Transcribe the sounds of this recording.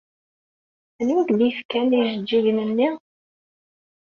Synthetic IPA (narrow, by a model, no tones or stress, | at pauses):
ənukd̪ifkæniʒəd͡ʒːiʝnənːi